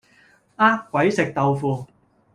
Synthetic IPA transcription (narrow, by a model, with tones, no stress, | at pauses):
aː˥kːʷɐ˨˥jsɪ˨k̚t̪ɐ˨wfuː˧